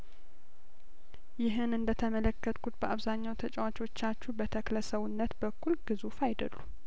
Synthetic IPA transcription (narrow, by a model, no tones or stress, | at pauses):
jɪɦɨnɨnd̪ət̪ʰəmələkːət̪ʼkʰut̪bəʔaβzaɲːawt̪ʰət͡ʃʼɛwat͡ʃʼwo̞t͡ʃːat͡ʃːubət̪ʰəkləsəwunːət̪bəkʰːulɡɨzufajd̪ə̰lːu